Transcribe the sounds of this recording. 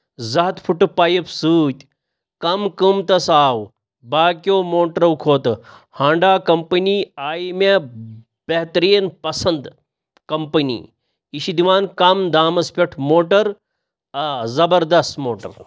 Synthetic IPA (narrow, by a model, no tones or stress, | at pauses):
zɐɦɐt̪pʰuʈɨpaːjipsuːt̪ʲ | kɐmkɨmt̪ɐsaːw | baːkjoːmoːʈɾɐwkʰoːt̪ɐhãːɳɖaːkɐmpɐniːaːjmʲe | bɐɦt̪ɐɾiːnpɐsɐnd̪ | kɐmpɐnḭː | iʃid̪iʋaːnkɐmd̪aːmɐspʲɐʈʰmoːʈɐɾ | ɐzɐbɐɾd̪ɐst̪moːʈɐ̰ɾ